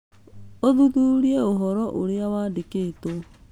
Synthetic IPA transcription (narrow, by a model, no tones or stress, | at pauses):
oðuðuɾieoɦɔɾɔʔoɾeawaːdekeːto